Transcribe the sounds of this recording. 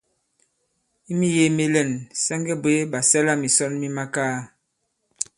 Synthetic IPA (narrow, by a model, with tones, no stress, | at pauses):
i˦mi˦je˦me˦lɛ˦˨nsɛ˦ŋɡɛ˦bwe˦ba˨sɛ˦la˦mi˨sɔ˦nmi˦ma˦kaː˦˨